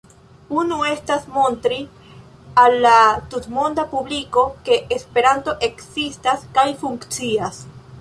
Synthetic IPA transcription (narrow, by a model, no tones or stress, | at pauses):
unue̞stasmo̞ntɾi | alːatutmo̞ndapubliko̞ke̞ʔːspe̞ɾanto̞ʔe̞ksistaskajfuŋkt͡sias